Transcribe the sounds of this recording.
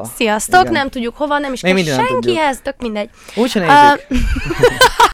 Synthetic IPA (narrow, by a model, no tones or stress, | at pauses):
sijɒst̪o̞knɛmt̪uɟːukho̞vɒnɛmiʃeɡminddiɡnʃɛŋkiɦɛzt̪økmind̪ɛɟːut͡ʃɛne